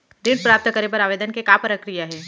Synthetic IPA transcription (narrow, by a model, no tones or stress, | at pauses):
ɾiɖpɾaːp̚t̪əkɐɾepɐɾaːʋeːd̪ənkekaːpɾəkɾijaɦɛː